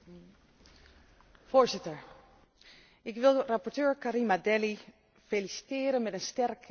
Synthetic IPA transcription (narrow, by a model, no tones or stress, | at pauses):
v̥oːɹzɪtəɹ | ʔɪkʋɪlˠrapɔɹtøːɹkaɾimadɛli | felisi̥tɪːɾənmɛtənstɛrk